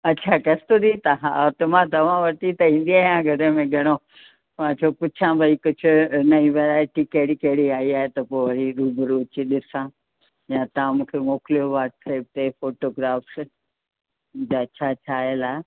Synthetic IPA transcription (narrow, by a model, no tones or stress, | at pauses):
ɐt͡ɕʰakɐst̪ud̪it̪ɐɦãt̪ɐm̤ãt̪ɐʋ̤ãʋɐʈit̪ɐĩːn̆d̪iaːjãɡʱɐɽə̃mẽɡʱɐɽ̃o | ʋãt͡ɕʰopʊt͡ɕʰãbʱɐikʊd͡ʑʱʊ̆nɐĩʋeɾaːeʈikɐɦɪɽikɐɦɪɽiaːiaːɦet̪ɐpoːʋɐɽiɾuːbɾuːt͡ɕiɗɪsã | jãt̪ɐʋãmũːkʰemoːkɪlijoʋaːɾʈseːp̚t̪efoːʈoɡɾaːfs | d͡ʑaɐt͡ɕʰat͡ɕʰaːelaː